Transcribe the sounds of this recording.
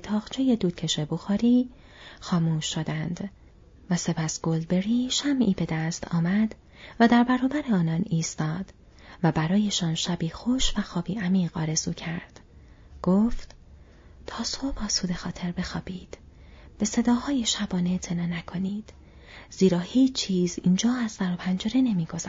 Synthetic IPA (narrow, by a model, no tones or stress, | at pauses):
t̪ʰɒːɣt͡ʃʰejed̪uːd̪̥̚cʰe̞ʃeboxɒːɾiː | xɒːmuːʃːo̞d̪ænd̪ | væse̞pʰæst̪ɡ̥o̞ld̪be̞ɾiːʃæmʔiːbe̞d̪æst̪ʰɒ̰ːmæd̪̥ | væd̪æɾbæɾɒːbæɾeɒːnɒːniːst̪ɒːd̪̥ | væbæɾɒːje̞ʃɒːnʃæbiːxo̞ʃvæxɒːbiːæmiːɣɒːɾe̞zuːcʰæɾd̪̥ | ɡ̥oːft̪ | t̪ʰɒːsobɒːsuːd̪e̞xɒːt̪ʰe̞ɾbe̞xɒːb̥iːd̪̥b̥e̞se̞d̪ɒːhɒːjeʃæbɒːneet̪ʰe̞nɒːnækʰo̞niːd̪̥ | z̥iːɾɒːhiːt͡ʃʰt͡ʃʰːiːziːnd͡ʒɒːæz̥sæɾopʰænd͡ʒeɾe̞ne̞miːɡo̞zæ